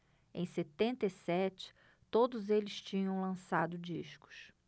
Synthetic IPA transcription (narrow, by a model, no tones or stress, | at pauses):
ẽj̃set̪ẽnt̪isɛt͡ʃɪ̥ | t̪od̪ʊzelɪst͡ʃĩɲɐ̃w̃lɐ̃sad̪ʊd͡ʒiʃkʊ̥s